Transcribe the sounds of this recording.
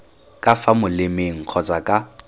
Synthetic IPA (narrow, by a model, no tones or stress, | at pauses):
kʼafamʊlɪmeŋ̩q͡χʰɔt͡sʼakʼa